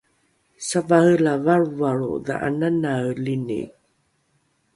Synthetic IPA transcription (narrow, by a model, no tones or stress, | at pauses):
savaɣəlavaɻuvaɭṵða̰ʔa̰nanalinḭ